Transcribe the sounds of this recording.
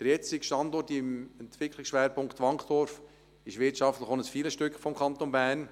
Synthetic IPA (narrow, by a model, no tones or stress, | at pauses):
d̥əɾjɛt͡sɪkʃtɑndɔtɪmɛntʋ̥ɪkʰlɪksʃʋɛːɾpʰʊŋktʋɑŋkχd̥ɔɾf | ɪʃʋɪt͡ʃɑftləχonəsfiːləsʃtʏkχfɔmkʰɑnt̪onbæːn